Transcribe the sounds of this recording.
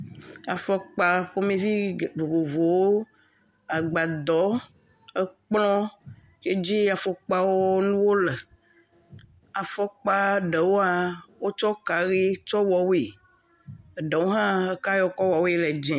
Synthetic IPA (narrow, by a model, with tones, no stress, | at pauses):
a˨fɔ˨k͡pa˨ɸo˦mẽ˦vi˦˨vo˨vo˨vo˨wo˦ | a˨ɡ͡ba˨d̪ɔ˨˦ | ɛ˦k͡plɔ̃˦ | ke˦d͡ʒi˦a˨fɔ˨k͡pa˦woo˦nũ˦wo˦lɛ˨ | a˨fɔ˦k͡pa˦ɖɛ˨wo˦a˨wo˦t͡ʃɔ˦ka˨ɣi˦t͡ʃɔ˦wɔ˨wi˨ | ɖɛ˨wo˦ɦã˦ka˦jɔ˦kɔ˦wɔ˨we˨lɛ˨d͡ʒɛ̃˨